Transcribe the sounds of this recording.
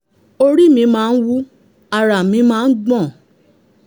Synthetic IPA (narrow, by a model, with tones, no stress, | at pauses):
o˧ɾi˦˨mĩ˧mãː˦˧n̩˦wu˦ | a˧˨ɾa˨mĩ˨˧˦mãː˦˧˦n̩˦ɡ͡bɔ̃˦˨